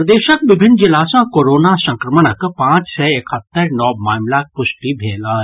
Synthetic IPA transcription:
d̪eːʃək̚ʋɪbʱɪnːd͡ʒɪlaːsãkoːɾoːnasɐ̃ŋkɾəmənəkpãːt͡ʃsɛːekʰət̪ːəɾnɔːmaːmlaːk̚pʊʃʈibʱeːlə

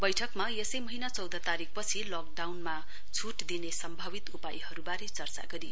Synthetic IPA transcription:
bʌjʈʰʌkmajesʌjmʌɦinat͡sʌwd̪ʱʌt̪aɾik̚pʌt͡sʰilɔk̚ɖawnma | t͡sʰuʈd̪inesʌmbʱʌbit̪upajhʌɾubaɾet͡sʌrt͡sa̰ɡʌɾi

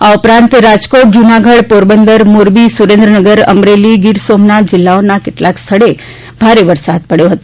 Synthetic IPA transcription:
aupɾãnt̪ɾad͡ʒkoʈ̚d͡ʒunaɡʱəɽpoɾbənd̪əɾmoɾbisuɾẽnd̪ɾənəɡəɾə̰mɾeliɡɪɾsomnat̪̚d͡ʒɪlːaonakɪʈlakst̪ʰəɭe | bʱaɾeʋəɾsad̪̚pəɽjoɦət̪o

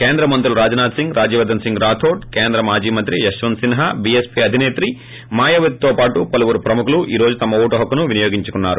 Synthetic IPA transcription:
keːnd̪ɾɐmɐnt̪̬ulɾaːd͡ʒɐnaːd̪siŋɡɾʔaːd͡ʒiːʋɐd̪ɐnsiŋɡɾaːt̪ʰoːʈ̚keːnd̪ɾɐmaːd͡ʒiːmɐnt̪ɾiɐʃʋɐnsinɐɦɐbiespiɐd̪ʱineːt̪ɾi | maːjɐʋɐt̪̚t̪oːpaːʈupɐluʋuɾupɾɐmukuluʔiːɾo̞ːd͡ʒut̪ɐmɐuːʈɐɦɐkːɐnuʋinijoːɡiɲt͡ʃukunːaːɾu

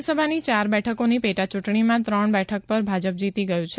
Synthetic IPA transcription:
səbʱanit͡ʃaɾbɛʈʰəkonipeʈat͡ʃuʈɳimãt̪ɾəɳbɛʈʰək̚pəɾbʱad͡ʒəp̚d͡ʒit̪iɡəjũt͡ʃʰe

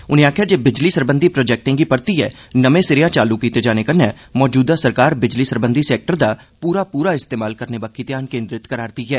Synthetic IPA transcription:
ʊnẽaːkʰjaːd͡ʒeːbɪd͡ʒliːsəɾbə̃nd̪ʱipɾoːd͡ʒɛːk̚ʈɪ̃ŋɡipəɾt̪iɦɛː | nəmẽːsɪɾɪjãːt͡ʃaːlukiːt̪ed͡ʒaːnekəɾne | mɔːd͡ʒuːd̪aːsəɾkaːɾbɪd͡ʒliːsəɾbə̃nd̪ʱisɛːk̚ʈəɾd̪aː | puːɾapuːɾaɪst̪eːmaːlkəɾnebakːit̪jaːnkẽːnd̪ɾɪt̪kəɾaːɾt̪iɦɛː

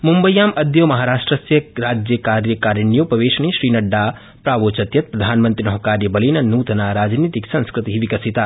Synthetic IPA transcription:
mumbəjːaːmɐd̪ʱjomɐɦaːɾaːʂʈɾɐsjɐɾaːd͡ʒjəkaːɾjəkaːɾjɐnijopɐʋeːʃɳ̃iʃɾiːnɐɖːaː | pɾaːʋoːt͡ʃɐt̪jɐt̪̚pɾɐd̪ʱaːnmənt̪ɾinɐɦɐkaːɾjɐbɐlinɐnuːt̪naːɾaːd͡ʒniːt̪iksɐ̃nskɾɨt̪iɦʋikɐsit̪aː

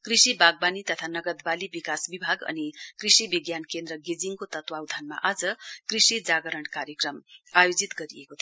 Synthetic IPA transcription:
krisibaɡ̚banit̪ʌt̪ʰanʌɡʌd̪balibikasbibʱaɡʌ̰nikrisibiɡjankend̪ɾʌɡed͡ziŋkot̪ʌt̪wawd̪ʱanma̰ʔad͡zʌkrisid͡zaɡʌɾʌɳɖkaɾjekrʌmajod͡zit̪ɡʌɾiekot̪ʰ

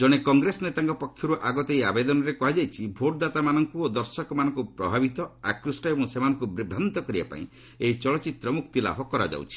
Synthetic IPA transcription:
d͡ʒɔɽ̃ekɔŋɡɾesɔnet̪aŋkɔpɔkʰjɔɾuʔaɡɔt̪ejabed̪ɔnɔɾekɔɦad͡ʒajt͡ʃʰibʱoʈd̪at̪amanɔŋkuod̪ɔɾsɔkɔmanɔ̃ŋkupɾɔbʱabit̪ɔa̰kɾusʈɔebɔŋsemanɔŋkubɾibʱamnt̪ɔkɔɾiba̰pa̰ḭ̃ | eit͡ʃɔɭɔt͡ʃit̪ɾɔmukt̪ila̰bʱɔkɔɾa̰d͡ʒa̰wt͡ʃʰi̥

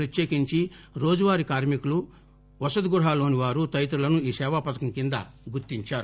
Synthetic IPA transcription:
ɾɐt̪jeːkiɲt͡ʃiɾo̞ːd͡ʒuʋaːɾikaːɾmikulu | ʋɐsɐd̪ɡuɾɦaːlo̞ːniʋaːɾut̪ɐjɐt̪̬ɾulɐnuiːsɛːʋapɐd̪ɐkɐmkind̪ɐ̰ɡuɾt̪iɲt͡ʃaːɾu

